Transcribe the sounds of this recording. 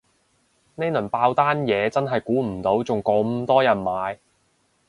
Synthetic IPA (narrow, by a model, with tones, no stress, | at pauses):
ne˥nɵ˨˩npaː˧wt̪aː˥njɛː˨˧t͡sɐ˥nɦɐ˨jkuː˨˥m̩˨˩t̪o˨˥wt͡sʊ˨ŋkɔ˨˧˥m̩˧t̪ɔː˥jɐ˨˩nmaː˨˧j